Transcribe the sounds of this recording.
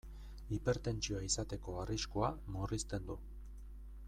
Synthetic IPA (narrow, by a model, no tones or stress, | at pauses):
ipe̞ɾt̪e̞nt͡ʃioaisat̪e̞ko̞ariʃkoamorist̪e̞nd̪u